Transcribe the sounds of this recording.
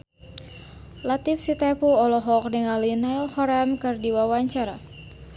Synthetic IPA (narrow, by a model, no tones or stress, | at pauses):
lat̪ifsit̪ɛpuɔlɔɦɔk̚niŋalinailhɔɾamkɨrdiwawaɲt͡ʃaɾa